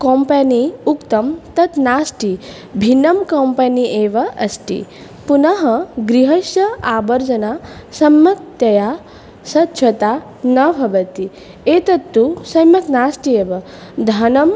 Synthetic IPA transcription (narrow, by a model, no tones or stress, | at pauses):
kompɐniukt̪ɐmt̪ɐt̪naːsʈi | bʱinːɐmkɐmpɐniʔeːʋɐʔɐsʈḭ | punɐɦɐɡɾiɦɐʃjɐaːbɐɾd͡ʒɐnaːsɐmːɐk̚t̪jɐjaː | sɐt̪ʃʰɐt̪aː | nɐbʱɐʋɐt̪i | eːt̪ɐt̪ːusɐmɐk̪naːsʈieːʋɐ | d̪ʱɐnɐm